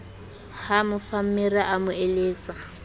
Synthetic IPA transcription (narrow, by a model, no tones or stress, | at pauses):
hamʊfam̩mɪraʔamʊeleːt͡sʼa